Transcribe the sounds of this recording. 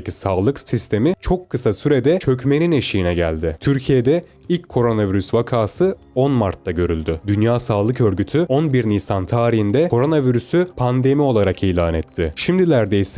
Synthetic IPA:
isaːlˠɯksist̪ʰe̞mit͡ʃʰo̞kʰːɯsasyɾed̪ɛt͡ʃʰø̞cme̞nine̞ʃijinɛɟæ̰lʲd̪ɪt̪ʰyɾcʰije̞d̪ɛ | ilʲcʰːo̞ɾo̞naviɾysvakʰaːsɯ | o̞nmaɾt̪ʰːaɟø̞ɾylʲd̪yd̪ynjaːsaːlˠɯkø̞ɾɟyt̪ʰyonbiɾnijsant̪ʰaːɾiɦind̪ɛkʰo̞ɾo̞naviɾysypʰand̪e̞mio̞lˠaɾakiːlʲaːnɛt̪ʰːɪʃimd̪ilʲæɾd̪ejs

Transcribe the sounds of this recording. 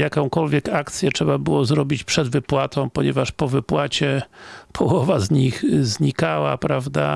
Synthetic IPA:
jakɔ̃w̃kɔlvʲjɛkakt̪sʲjɛtʂɛbabɘwɔzɾɔbʲit͡ɕpʂɛd̪vɘpwat̪ɔ̃w̃pɔɲɛvaʂpɔvɘpwat͡ɕɛpʰɔwɔvazɲixzɲikawa̰pɾavd̪a̰

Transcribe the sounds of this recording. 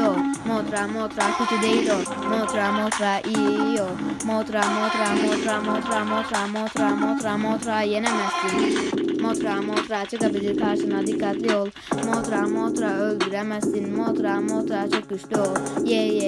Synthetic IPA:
omoːt̪ɾaːmoːt̪ɾaːkʰut͡ʃʰid̪eiɾoː | moːt̪ɾaːmoːt̪ɾaːʔijomoːt̪ɾaːmoːt̪ɾaːmoːt̪ɾaːmoːt̪ɾaːmoːt̪ɾaːmoːt̪ɾaːmoːt̪ɾaːmoːt̪ɾaːjenɛmɛst̪inmoːt̪ɾaːmoːt̪ɾaːt͡ʃɔkɐbid͡ʒikʰaːsɐnɐd̪ikːat̪loːl | moːt̪ɾaːmoːt̪ɾaːolɾɛmɛst̪inmoːt̪ɾaːmoːt̪ɾaːt͡ʃɔkuʃʈojej

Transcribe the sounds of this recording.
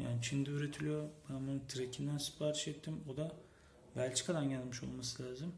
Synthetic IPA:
ja̰ːnit͡ʃʰind̪ɛyɾet̪ʰilʲijo̞bænbununt̪ʰiɾecʲʰind̪ænsɯ̥pʰaːɾiʃɛt̪ʰːimod̪a | vælʲt͡ʃi̥kʰad̪anɟælʲmiʃo̞̰lˠmasɯlʲaːzim

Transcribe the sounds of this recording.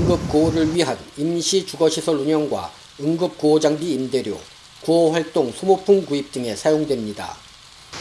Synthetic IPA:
ɯŋɡɯp̚k͈ooɾɯɭɥiɦanimɕʰit͡ɕuɡʌɕʰisʰʌɭuɲʌŋɡwa̰ | ɯŋɡɯp̚koʌd͡ʑaŋbiːmde̞ɾjo̰ | kuʌɸwaɭt͈oŋsʰomopʰumkuip̚t͈ɯŋe̞sʰajoŋdwe̞mɲida̰

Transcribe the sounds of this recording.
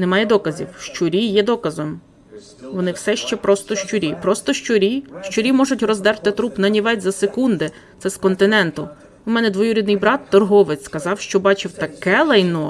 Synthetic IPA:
nɛmɑjɛd̪ɔkɐzʲḭwʃt͡ʃʊɾʲijɛd̪ɔkɐzɔm | ʋɔnɪwsɛʃt͡ʃɛpɾɔst̪ɔʃt͡ʃʊɾʲipɾɔst̪ɔʃt͡ʃʊɾʲiʃt͡ʃʊɾʲimɔʒʊtʲrɔzd̪ɛɾrt̪ɪt̪ɾupnɐnʲiʋɛtʲzɐsekund̪ɪ | t̪sɛskɔnt̪ɪnɛnt̪ʊ | ʊmɛnɛd̪ʋɔjuɾʲid̪nɪjbɾɑt̪ːɔrɦɔʋɪt͡sʲsʲskɐzɑwʃt͡ʃɔbɑt͡ʃɪwt̪ɐkɛlˠɐjnɔ

